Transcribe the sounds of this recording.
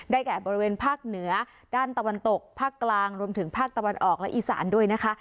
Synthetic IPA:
daː˥˩jkɛː˨˩bɔː˧ɾi˧weː˧npʰaː˥˩k̚nɯ˩˦ɐ | d̥aː˥˩nt̪a˧wa˧nt̪o˨˩k̚pʰaː˥˩kːlaː˧ŋɾu˧əmt̪ʰɯ˩˦ŋpʰaː˥˩k̚t̪a˧wa˧nʔɔː˨˩k̚lɛ˦˥ʔiː˨˩sa̰ː˩˦ndu˥˩əjna˦˥kʰa˦˥ʔ

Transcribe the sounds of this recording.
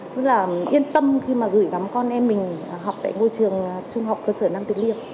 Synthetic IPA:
sɨ˦˥laː˨˩ʔi˧ənt̪ə˧mxi˧maː˨˩ɣɨ˧˩jɣa˨˦mkɔ˧nʔɛ˧mːï˨˩ŋ̟˨˩ɦwk͡p̚t̪a̰ː˧˨jŋo̰˧˨jt͡ɕɨ˨˩əŋt͡ɕʊ˧ŋ͡mɦa˨˩wk͡p̚kəː˧səː˧˩naː˧mt̪ï˨˩ŋ̚li˧əm̚

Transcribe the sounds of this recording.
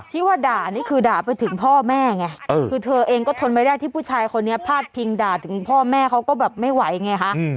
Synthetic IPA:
t̪ʰiː˦˧˥waː˥˩daː˨˩niː˥˩kʰɯː˧daː˨˩pa˧jt̪ʰɯ˩˦ŋpʰɔː˥˩mɛː˥˩ŋa˧˩ʔɤː˧kʰɯː˧t̪ʰɤː˧ʔeː˧ŋkɔː˥˩t̪ʰo˧npa˧jdaː˥˩jt̪ʰiː˥˩pʰuː˥˩t͡ɕʰaː˧jkʰo˧nːi˦˥ɐpʰaː˥˩t̪̚pʰi˧ŋdaː˨˩t̪ʰɯ˩˦ŋpʰɔː˥˩mɛː˥˩kʰa˦˥wkɔː˥˩bɛː˨˩p̚ma˥˩jwa˨˩˦jŋa˧jkʰa˦˥ʔ

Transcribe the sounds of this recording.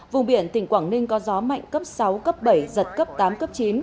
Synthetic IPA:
vʊ˨˩ŋ͡mɓi˧˩ənt̪ï˧˩ŋ̟kwaː˧˩ŋnï˧ŋ̟kɔ˨˦zɔ˨˦ma̰˧˨jŋ̟kə˦˥p̚sa˨˦wkə˦˥p̚ɓə˧˩jzə˨˩t̚kə˦˥p̚t̪aː˨˦mkə˦˥p̚t͡ɕi˨˦n

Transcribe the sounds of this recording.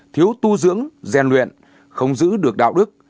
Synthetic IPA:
t̪ʰi˨˦əwt̪u˧zɨ̰˧˥əŋzɛ˨˩nlwḭ˧˨ən | xə˧wŋ͡mzɨ̰˧˥ɗɨ˨˩ək̚ɗa̰ː˧˨wɗɨ˦˥k̚

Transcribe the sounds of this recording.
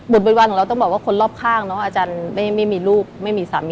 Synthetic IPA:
bo˨˩t̪̚bo˨˦wa˧nʰɔ˩˦ɾa˧wt̪ɔ˥˩bɔː˨˩kwaː˥˩kʰo˧nlɔː˥˩p̚kʰaː˥˩ŋnɔ˦˥ʔaː˧t͡ɕaː˧nma˥˩jma˥˩jmiː˧luː˥˩k̚ma˥˩jmiː˧saː˩˦m˧

